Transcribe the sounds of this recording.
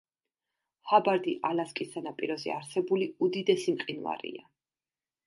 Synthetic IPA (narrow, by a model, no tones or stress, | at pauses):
habaɾd̪iʔalaskʼisanapʼiɾɔzɛ̰aɾsɛbuliud̪id̪ɛsimqʼinva̰ɾḭa